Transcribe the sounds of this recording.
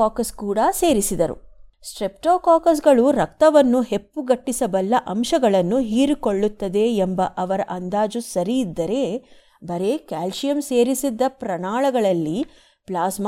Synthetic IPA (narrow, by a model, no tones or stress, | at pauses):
aːkɐskuːɽɐse̞ːɾisid̪ɐɾṵsʈɾep̚ʈoːkaːkɐs̬ɡɐɭuɾɐk̚t̪ɐʋɐnːuɦe̞pːuɡɐʈːisɐbɐlːɐʔɐmʃɐɡɐɭɐnːuɦiːɾiko̞ɭːut̪ːɐd̪e̞ːmbɐʔɐʋɐɾɐʔɐnd̪aːd͡ʒusɐɾijid̪ːɐɾe̞ | bɐɾe̞kaːlʃijɐmseːɾisid̪ːɐpɾɐɳaːɭɐɡɐɭɐlːi | plaːsm